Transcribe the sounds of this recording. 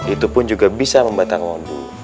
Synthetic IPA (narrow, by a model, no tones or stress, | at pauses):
it̪upʊnd͡ʒuɡabisaməmbat̪akɔndṵ